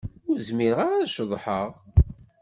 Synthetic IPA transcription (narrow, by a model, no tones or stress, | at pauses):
ʊɾzmiɾəʁaɾæʃəðˤħəʁ